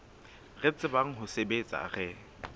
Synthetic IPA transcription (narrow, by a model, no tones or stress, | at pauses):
ret͡sʼɪbaŋ̩ɦʊsebet͡sʼa̰ɣɛ